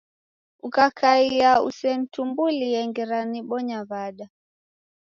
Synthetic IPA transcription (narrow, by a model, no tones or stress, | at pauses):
ukakʰaiaṵsɛn̩tumbulijɛŋɡɛɾaniɓɔɲaβaɗa